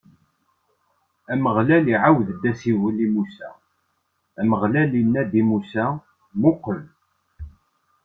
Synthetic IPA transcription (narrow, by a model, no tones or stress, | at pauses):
æməʁlæliʕawðəd̪ːæsiwəlimusæ̰ | æməʁlælinːæd̪imusæ | mukʷəl